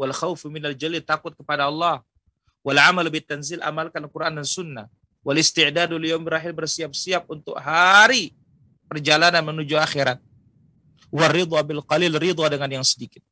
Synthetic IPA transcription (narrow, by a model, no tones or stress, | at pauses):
walxawfmɪnald͡ʒalilt̪akʊt̪̚kəpadaɑlˠːɑh | walʕamalbɪt̪ːanzilʔa̰malkankuɾʔandansʊnːa̰h | walɪst̪ɪʕdaduljawmbraɦɪlbərsiap̚siap̚unt̪ʊ̰kɦaɾi | pərd͡ʒalananmənud͡ʒuaxiɾat̪̚ | warːɪd̪ˤɑbɪlqɑlilrid̪ˤɑdəŋanjaŋsədikɪt̪̚